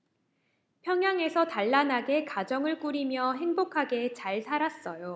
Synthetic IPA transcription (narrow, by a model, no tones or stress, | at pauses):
pʰjʌŋjaŋe̞sʰʌtaɭːanɦaɡe̞kad͡ʑʌŋɯɭk͈uɾimjʌɦe̞ŋbokʰaɡe̞t͡ɕaɭtʰaɾas͈ʌjo